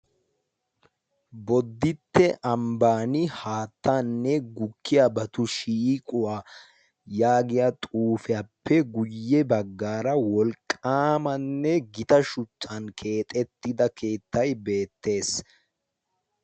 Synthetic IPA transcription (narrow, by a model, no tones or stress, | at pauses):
bɔd̪ːɪt̪ːɛʔɐmbaːnɪhaːt̪ːanːɛɡʊkʰːɪjabɐt̪ʊʃiːkʼʊwaː | jaːɡɪjɐt̪ʼuːfɛjɐpʰːɛɡʊjːɛbɐɡːaːɾɐwɔlkʼːaːmɐnːɛɡɪt̪ɐʃʊt͡ʃːankʰe̞ːt̪ʼɛt̪ːɪd̪ɐkʰe̞ːt̪ːɐjbe̞ːt̪ːe̞ːs